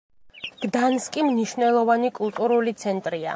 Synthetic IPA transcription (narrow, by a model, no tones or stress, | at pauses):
ɡ̥d̪anskʼimniʃvnɛlˠɔvanikʼulˠt̪ʼuɾulit̪sʰɛnt̪ʼɾia̰